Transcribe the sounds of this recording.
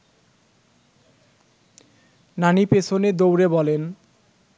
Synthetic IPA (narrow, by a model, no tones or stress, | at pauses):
nanipesʰoned̪owɾebɔlen